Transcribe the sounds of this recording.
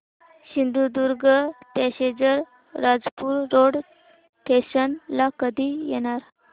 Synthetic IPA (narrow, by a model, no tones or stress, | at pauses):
ɕind̪ud̪uɾɡəpɛɕed͡zəɾ | ɾad͡zpuːɾːoɽ | ʈ̪ʰeɕənlakəd̪ʱijɛɽ̃aɾ